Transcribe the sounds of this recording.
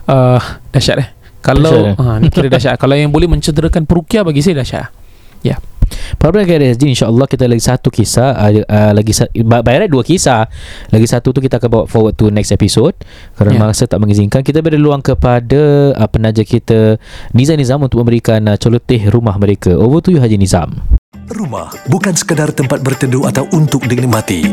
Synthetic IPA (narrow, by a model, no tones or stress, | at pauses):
ədaʃa̰ʔɛh | kalakiɾadaʃaʔkalawjaŋbolɛhmə̃ɲt͡ʃədəɾəkanpəɾukiabaɡis̬ajdaʃa̰ʔ | ja̰paɾapandakajdaasd͡ʒiinʃaʔəlːɔhkit̪əlaɡisat̪ukisaəlaɡisababajɾaduəkisalaɡisat̪ut̪̬ukit̪aakanbawa̰ʔfɔwəd̪̚t̪unɛksɛpisod̚ | kaɾənamaŋsət̪aʔmə̃ŋiziŋkankit̪əbəɾdəluaŋkəpadapənad͡ʒakit̪ənĩzanizamunt̪ʊk̚mə̃bəɾikanət͡ʃəlot̪ɪhɾumahmə̃ɾekaʔovət̪ujuɦad͡ʒinĩza̰mruma̰hbukansə̥kədart̪əmpat̪̚bərt̪əduat̪awʔunt̪ʊk̚dənimat̪ḭ